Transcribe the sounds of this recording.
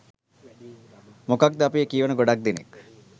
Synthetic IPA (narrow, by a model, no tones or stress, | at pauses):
mokak̚d̪əapiekiːʋɐnəɡoɖak̚d̪inḭk